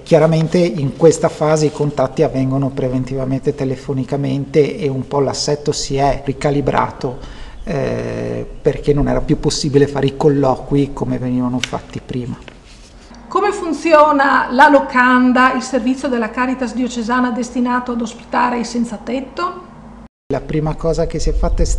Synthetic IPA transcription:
kjaɾament̪eiŋkwest̪afaːzeikont̪at̪ːiavːɛŋɡonopɾevent̪ivament̪et̪elefonikament̪eʔeumpɔlasːɛt̪ːosiɛrikalibɾʔa̰ːt̪o | perk̟enːonɛ̰ːɾapjupːosːiːbilefaːɾeikolːɔːkwikomeveniːvanofa̰t̪ːipɾiːma | komefunt̪sjɔːnalalokand̪ailservit̪sːjod̪elːakaːɾit̪asd̪iot͡ʃezaːnad̪est̪inaːt̪oad̪ospi̥t̪aːɾeilsɛnt̪sat̪ɛt̪ːo | lapɾiːmakɔːzak̟esiɛfːat̪ːaɛs

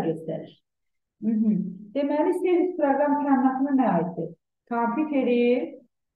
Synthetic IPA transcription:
ɟøst̪æ̰ɾiɾ | m̩ɦm̩d̪̥emælist̪eɾispʰɾoɡɾɑmpɾanːɑt̪ɯnɯnæɑːit̪̚d̪i | kʰɑmpʰʲut̪ʰeɾiɾ

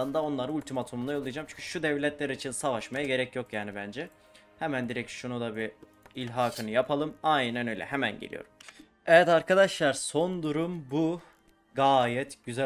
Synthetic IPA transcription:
ɯnd̪ao̞nlˠaɾɯulʲt̪ʰimat̪ʰumund̪ajolˠɯjad͡ʒaːmt͡ʃʰy̥ɲcʰy̥ʃud̪ɛvlʲɛt̪lʲeɾiːt͡ʃʰinsavaʃmajaɟe̞ɾɛcjo̞kjaːnibænd͡ʒɛ | hemænd̪iɾɛcʃunud̪abi | ilʲɦaːkʰɯnɯjapʰalˠɯmajnnænø̞jlʲɛ̰ɦemænɟḛlʲḭo̰ɾum | ɛjɛt̪aɾkʰad̪aʃlˠaɾso̞nd̪uɾumbu | ɡaːjɛt̪ɟyzæ

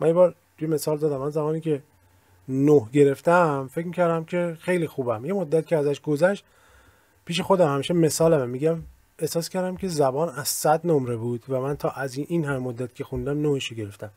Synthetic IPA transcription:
mænjebɒːɾ | t̪ʰujeme̞sɒːld̪ɒːd̪æmːænzæβɒːniːcʰe̞ | nohɟe̞ɾe̞ft̪æmfecʲmicæɾd̪æmcʰe̞xe̞jliːxuːbæmje̞mod̪ːæt̪cʰeæzæʃɡozæʃt̪ | pʰiːʃ̬e̞xo̞d̪æmhæmiːʃeme̞sɒːlæmemːiɟæm | ehsɒːskʲcʰæɾd̪æmcʲʰe̞zæbɒːnæz̥sæd̪nomɾebuːd̪̥væmænt̪ʰɒːʔæzinhæmemod̪ːæt̪cʰexund̪æmnohiʃoɟe̞ɾe̞ft̪æm

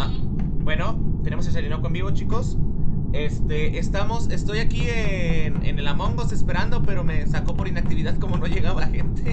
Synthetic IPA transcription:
abwe̞no̞t̪e̞nemoskeseliɾnokoembiβo̞t͡ʃiko̞se̞st̪e̞ʔest̪amo̞se̞st̪o̞jakienḛnelamõ̞ŋɡosespe̞ɾand̪o̞pe̞ɾo̞me̞sako̞po̞ɾinak̚t̪iβiðaðko̞mono̞ʝe̞ɣaβalaxe̞nt̪e

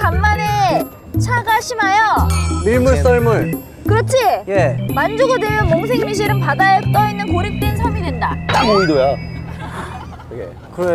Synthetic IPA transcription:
kamːane | t͡ɕʰaɡaɕʰimajʌmiɭmuɭs͈ʌɭmuɭ | kɯɾʌt͡ɕʰijemand͡ʑoɡodeɾʌnmoŋs̬ʰeɡimiɕ̬ʰiɾɯnpadajʌt͈ʌinːɯnkoɾip̚t͈wensʰamidendanamodojo | ɡḛ | kɯɾ

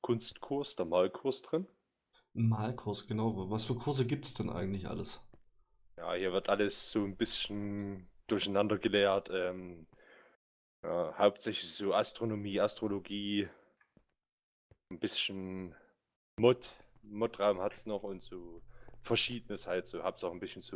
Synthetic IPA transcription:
kʰʊnstkʰʊɐsd̥eːɐmaːlkʰʊɐsd̥ʁɪn | maːlkʰʊɐsɡ̥ənaʊvasfyːɐkʰʊɐzəɡiːp̚tsd̥ɛnʔa̰ɪɡŋ̩tlɪçʔa̰ləs | ja̰ːhiːɐvɪɐtʔaləsz̥oːnbɪsçn̩d̥ʊɐçanandɐɡəleːɐtʰʔɛːm | ja̰ːhaʊp̚tz̥ɛçlɪçz̥oːʔastʁ̥onomiːastʁ̥oloɡiː | n̩b̥ɪsçn̩ | mɔtmɔtʁaʊmhatsnɔχʊntz̥oːfɛɐʃiːdənəshaltz̥oːhap̚saʊxn̩bɪsçn̩t͡su

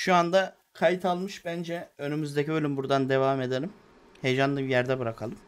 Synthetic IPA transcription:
ʃuand̪a | kʰajit̪ʰalˠmɯʃbænd͡ʒɛønymyzd̪ecibø̞lʲymbuɾd̪and̪e̞vame̞d̪e̞lʲim | he̞jd͡ʒanˠɯbjæɾd̪ɛbɯɾakʰalˠɯm

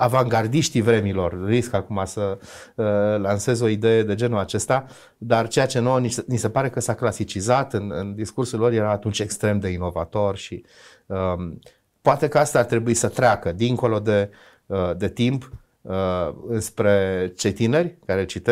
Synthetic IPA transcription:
avaŋɡard̪iʃt̪ivɾe̞milo̞rriskakumasə | lanse̞zo̞id̪e̞je̞d̪e̞d͡ʒe̞nuat͡ʃe̞st̪a | d̪art͡ʃe̞jat͡ʃe̞nonisnise̞paɾe̞kəsaklasit͡ʃizat̪ɨnɨ̰nd̪iskursulo̞rje̞ɾaːt̪unt͡ʃe̞kst̪ɾe̞md̪e̞ino̞va̰t̪o̞rʃi | ə | poat̪e̞kəast̪aːrt̪ɾe̞buisət̪ɾʲeakəd̪iŋko̞lo̞d̪e̞ | əd̪e̞t̪imp | əɨnspɾe̞t͡ʃe̞jt̪ine̞rʲkaɾe̞t͡ʃit̪e

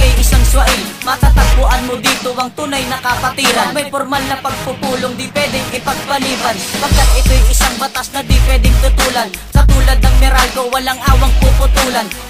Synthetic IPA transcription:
ɐjʔɪsaŋswɐʔɪlmɐt̪at̪ɐɡ̚pʊʔanmod̪iːt̪oʔɐŋt̪uːnajnɐkɐpɐt̪iːɾɐnmɐjpoɾmalnɐpɐɡ̚pʊpuːloŋd̪ipwɛd̪ɪŋʔɪpɐɡ̚pɐliːbɐnpɐɡ̚kːat̪̚ʔɪt̪ojʔɪsaŋbɐt̪asnɐd̪ipwɛd̪ɪŋt̪ʊt̪uːlɐnsɐt̪uːlɐd̪̚nɐŋmɪɾalɡowɐlaŋʔaːwɐŋpupʊt̪uːlan

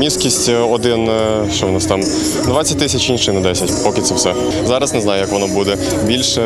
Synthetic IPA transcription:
mʲiskʲisʲtʲɔd̪ɪn | ʃt͡ʃɔʋnɑst̪ɑm | d̪ʋat͡sʲːɐt̚ʲt̪ɪsʲɐt͡ʃinʃɪnɛd̪ɛsʲɐtʲpɔkɪt̪sɛwsɛ | zɑɾɐsnɛznɑjʊjɐkʋɔnɔbud̪ɛ | bʲilʲʃɛ

